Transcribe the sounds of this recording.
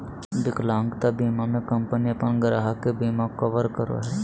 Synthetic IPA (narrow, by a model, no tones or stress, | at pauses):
d̪ɪklãːŋɡt̪abiːmamẽkɐ̃mpəniɐpənɡəɾaɦakebiːmakɐʋəɾkəɾo̰ɦɛː